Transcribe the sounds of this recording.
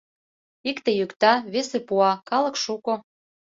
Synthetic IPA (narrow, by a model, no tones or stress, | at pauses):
ikt̪ĕjykt̪ɑβesĕpuɑkɑlɤ̆kʃuko